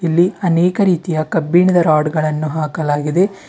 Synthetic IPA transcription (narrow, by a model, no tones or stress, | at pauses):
ilːiɐnɛːkɐɾiːt̪ijɐkɐbːiɳid̪ɐɾaːɖɡɐɭɐnːuɦaːkɐlaːɡid̪e̞